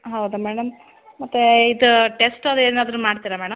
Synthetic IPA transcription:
ɦɐwd̪umɛːɽɐmː | ɐt̪ːeid̪uʈesʈɐd̪eːnaːd̪ɐɾumaːɖt̪iɾɐmɛːɽɐm

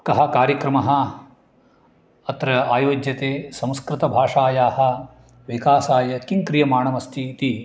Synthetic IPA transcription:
kɐɦɐ̆kaːɾjɐkɾɐmɐɦɐ̆ | ɐt̪ɾɐaːjoːd͡ʒjɐt̪eːsɐ̃m̃skɾɪt̪ɐbʱaːʂaːjaːɦɐ̆ | ʋikaːsaːjɐkiŋkɾijɐmaːɳɐmɐst̪ʰiːt̪i

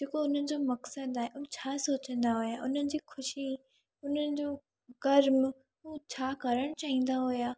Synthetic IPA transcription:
d͡ʑeːkoʊn̤ənɪ̆d͡ʑoːmɐksəd̪aːɦeʔʊnt͡ɕʰaːsoːt͡ɕə̃nd̪aɦʊjaːʔʊn̤ənɪ̆d͡ʑiːxʊʃi | ʊn̤ənɪ̆d͡ʑoː | ɡɐɾm | ɦuːt͡ɕʰaːkɐɾəɽ̃t͡ɕaːɦĩːnd̪aɦʊjaː

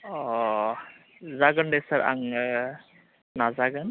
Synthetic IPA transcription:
ɔ | zaɡəndɛsaɾa̰ŋ | nazaɡɯn

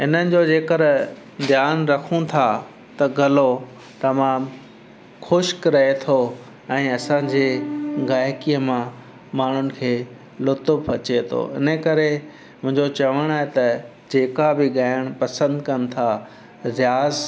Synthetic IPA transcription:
ɪnənɪ̆d͡ʑod͡ʑeːkəɾ | d̪ʱjaːnɾɐkʰũt̪ʰa | t̪ɐɡʱɐlo | t̪ɐmaːm | xʊʃkɾɐɦet̪ʰo | ɛ̃ːɐsãːd͡ʑeːɡaːjɪkiːəmã | maːɳ̤ʊnɪ̆kʰeː | lʊt̪əbpɐt͡ɕet̪ʰo̰ɪ̰nəkɐɾe | mʊ̃ɦɪ̃ɲd͡ʑot͡ɕɐʋəɽ̃aːɦet̪ɐ | d͡ʑeːkabɪɡaːɪəɽ̃pɐsə̃nd̪kɐn̆t̪ʰa | ɾɪjaːz

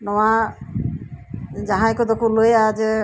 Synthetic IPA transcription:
nɔwa | d͡ʒaɦãjkɔd̪ɔkulojad͡ʒe

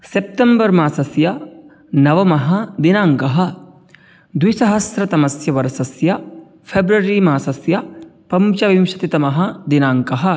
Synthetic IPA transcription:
sep̚t̪ɐmbɐɾmaːsɐsjɐ | nɐʋɐmɐɦɐd̪inaːŋkɐɦɐ̆ | d̪wisɐɦɐsɾɐt̪ɐmɐsjɐʋɐɾɐsɐsjɐ | pʰeːbɾɐɾimaːsɐsjɐpɐmt͡ʃɐʋimʃɐt̪it̪ɐmɐɦɐd̪inaːŋkɐɦɐ

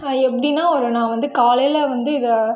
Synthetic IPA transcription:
ɛpːɐɽɪnːaːɔɾɯnãːʋɐnd̪ɯkaːlɐjlɐʋɐnd̪ɯɪðɐ

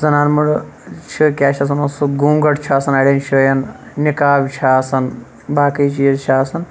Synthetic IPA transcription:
zɐnaːnmuɽt͡ʃʰɨkʲaːʃʰɐs̬ɐnosuɡuːŋɡɐʈt͡ʃʰaːsɐnɐɽʲɐnt͡ʃʰujɐn | nikaːbʲt͡ʃʰaːsɐn | baːkɐt͡ʃijzt͡ʃʰaːsɐn

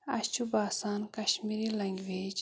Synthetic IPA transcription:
ɐ̰st͡ʃubaːsaːnkɐʃmiɾilɐŋɡweːd͡ʒ

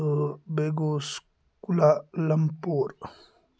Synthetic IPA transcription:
beɡos | kulalampoɾ

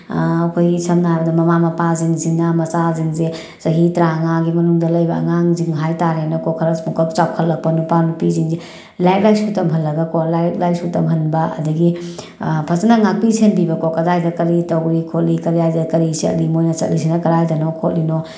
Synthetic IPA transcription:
ɐkʰojɡisʰɐmnaɦajbɐdɐmɐmamɐpaziŋziŋːɐmɐsaziŋze | zɐɦitɾaŋaɡimɐnuŋdɐlɐjbɐ̰ːŋaŋziŋɦajtaɾenokokʰɐɾɐsmukʰɐp̚t͡ʃaw̚kʰɐtlɐk̚pɐnupanupiziŋe | lajt̚lajsutɐmɦɐlːɐɡɐkolajt̚lajsutɐmɦɐnbɐɐ̰dɐɡi | pʰɐsɐnaŋak̚pisʰenbibɐkokɐdajdɐkɐlitɐwɾikʰot̚likɐɾijajdɐkɐɾisɐ̰t̚limojnɐt͡ʃɐ̰t̚lis̬ʰinɐkɐɾajdɐnɔkʰot̚lino

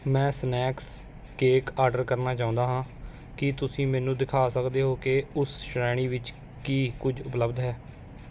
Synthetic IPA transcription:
mɛ̃ːsnɛːks | keːkaːɾɖəɾkəɾnaːt͡ʃãːʊ̃nd̪aːɦãː | kɪt̪ʊsĩːmɛ̃ːnũːd̪ɪkʰaːsəkd̪eːɦoːkeːʊsʃɾɛːɽ̃iːʋɪt͡ʃ | kiːkʊd͡ʒʊpləbd̪ɦɛː

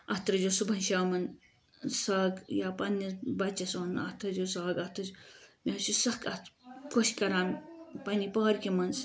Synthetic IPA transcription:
ɐt̪ɾɐd͡ʒosubʱɐnʃaːmɐn | sɐːɡjapɐnːibɐt͡ʃɐsonɐ̰t̪ɾɐd͡ʒosaːɡɐt̪ɐd͡ʒmʲesusɐkɐt̪kʰoʃkɐɾaːmpɐnipɐɦɾkimɐns

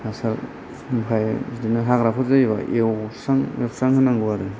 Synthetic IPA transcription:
hasaɾ | mkʰajzdinɯɦakɾapʰɯzajiβaewsaŋewsaŋhɯnaŋɡuaɾɯ

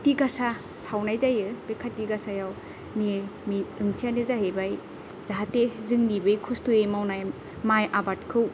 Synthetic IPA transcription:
tiɡasa | sawnajzajɯbekʰatːiɡasajaw | nimiɯŋtʰijanezaɦebaj | z̥aɦatezɯŋnibɯjkʰustuemawnaj | majʔabat̚kʰɯw

